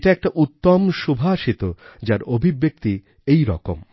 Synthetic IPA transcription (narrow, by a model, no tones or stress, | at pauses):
ʈaɛk̚ʈaʔut̪ːomʃubʱaʃit̪od͡ʑaɾobʱibːek̚t̪i | ejɾɔ̰ko̰m